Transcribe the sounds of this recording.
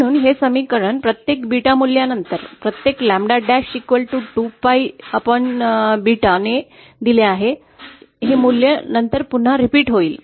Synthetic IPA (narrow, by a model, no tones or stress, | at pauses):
ɽ̃uːnɦesəmikəɾəɳpɾət̪jekbiʈamulːjanənt̪əɾpɾət̪jeklæ̃mɖaɖæɕikʋəlʈuʈupaiapəɳbiʈane | d̪ileaɦe | ɦemuljanənt̪əɾpun̤ːaɾipiːʈɦoiːl